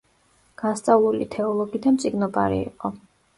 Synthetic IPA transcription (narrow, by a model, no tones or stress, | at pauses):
ɡ̥ast̪sʼavlulḭt̪ʰɛɔlˠɔɡid̪amt̪sʼiɡnɔpʼa̰ɾḭiqʼɔ